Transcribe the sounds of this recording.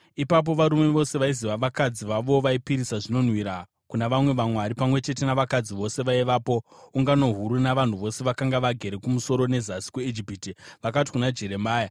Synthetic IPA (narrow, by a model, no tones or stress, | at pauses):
ipap̬o̞ʋaɾumeʋo̞se̞ʋaiziʋaʋakad͡ziʋaʋo̞ʋaipiɾisaʐino̞n̤wiɾa | kunaʋamwe̞ʋamwaɾipamwe̞t͡ʃe̞te̞naʋakad͡ziʋo̞se̞ʋaiʋaːpo̞uŋɡano̞ɦuɾunaʋan̤uʋo̞se̞ʋakaŋɡaʋaɡʱe̞ɾe̞kumuso̞ɾo̞ne̞zasi̥kweid͡ʒipitiʋakati̥kunad͡ʒe̞ɾe̞maːja